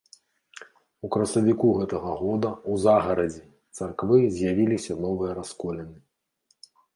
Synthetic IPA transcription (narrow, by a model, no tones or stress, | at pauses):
ukɾɐsɐvʲikuɣɛt̪ɐɣɐɣɔd̪ɐuzaɣɐɾɐd͡zʲɛ | t̪sarkvɨzʲjavʲilʲisʲɐnɔvɨjɐɾaskɔlʲɛnɨ